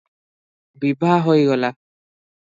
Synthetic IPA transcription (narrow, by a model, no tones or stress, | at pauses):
bibɦaɦojɡɔla